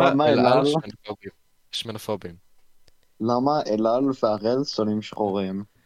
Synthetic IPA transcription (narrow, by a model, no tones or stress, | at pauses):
lamaelalobi | ʃmenofobim | lamaʔelalveaʁelsonimʃχoʁim